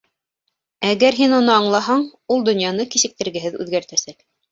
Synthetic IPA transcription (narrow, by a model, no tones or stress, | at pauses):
æɣæɾɦinunɤɑɴlˠɑɦɑɴulˠd̪ɵ̆njɑnɤkisɘ̆k̚t̪ɘ̆ɾɡɘ̆ɦɘðʉ̰ðɡæɾt̪æsæk